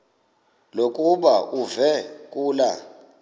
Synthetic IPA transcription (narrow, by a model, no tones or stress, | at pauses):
lokʼuɓaʔuvɛkʼuːla